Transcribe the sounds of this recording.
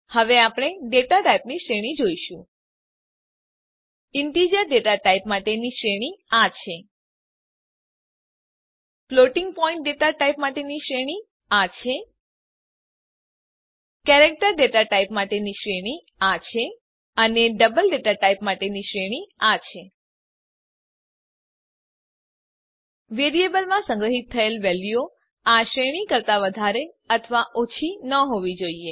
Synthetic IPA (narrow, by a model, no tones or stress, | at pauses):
həʋeapɽ̃eɖeʈaʈajpniʃɾeɽ̃id͡ʒoiʃũ | ɪnʈid͡ʒəɾɖeʈaʈaipmaʈeniʃɾeɽ̃iat͡ʃʰe | ploʈɪŋɡ̚pɔĩɳʈ̚ɖeʈaʈaipmaʈeniʃɾeɽ̃i | at͡ʃʰe | kɛɾek̚ʈəɾɖeʈaʈaipmaʈeniʃɾeɽ̃i | at͡ʃʰe | əneɖəbəlɖeʈaʈaipmaʈeniʃɾeɽ̃iat͡ʃʰe | ʋeɾiebəlmãsə̃ŋɡɾəɦit̪ʰːəelʋɛljo | aʃɾeɽ̃ikəɾt̪aʋəd̪ʱaɾe | ət̪ʰəʋaʔot͡ʃʰinəɦoʋid͡ʒoie